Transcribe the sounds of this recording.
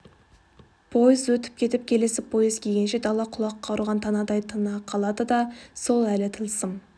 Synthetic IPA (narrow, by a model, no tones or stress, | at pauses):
pʰo̞jəzwɵt̪ɪ̥p̚kʲʰe̞t̪ɪp̚kʲʰe̞lɪsɪpʰo̞jəzkʲʰeɡʲe̞nʃe̞d̪ɑlˠɑqʰʊlˠɑqːɑɾuʁɑnt̪ʰɑnɑd̪ɑjt̪ʰənɑqʰɑlˠɑd̪əd̪ɑso̞lˠælɪt̪ʰəlˠsəm